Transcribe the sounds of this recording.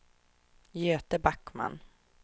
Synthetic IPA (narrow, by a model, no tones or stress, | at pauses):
jøːt̪əbakːma̰n